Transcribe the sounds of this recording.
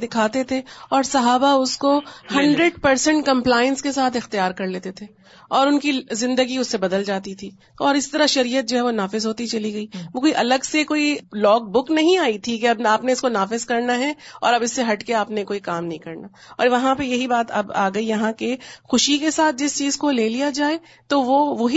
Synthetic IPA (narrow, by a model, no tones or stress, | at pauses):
d̪ɪkʰaːt̪et̪ʰeɔːɾsɐɦaːbaʊskohɐ̃ɳɖɾeɖpɐɾsə̃ɳʈ̚kɐ̃mplaːɪə̃nskesaːt̪ʰɪxt̪ijaːɾkɐɾleːt̪et̪ʰeː | ɔːɾʊnkizɪ̃nd̪əɡiʊsːebɐd̪əld͡ʒaːt̪it̪ʰiː | ɔːɾɪst̪ɐɾaʃɐɾiːjət̪̚d͡ʒoɦɛʋonaːfɪzɦoːt̪it͡ʃɐliɡɐiːʋokoːiʔɐləɡsekoːilɔːɡ̚bʊknɐɦĩaːit̪ʰikeɐbaːpneɪskonaːfɪzkɐɾnaɦɛɔ̰ːɾɐbɪsːeɦɐʈkeaːpnekoːikaːmnɐɦĩkɐɾnaː | ɔ̰ːɾʋɐɦãpɐjɐɦibaːt̪ɐ̰ba̰ːɡɐijɐɦãkexʊʃikesaːt̪̚d͡ʒɪst͡ʃiːzkoleːlijad͡ʒaːe | t̪oʋoʋoɦi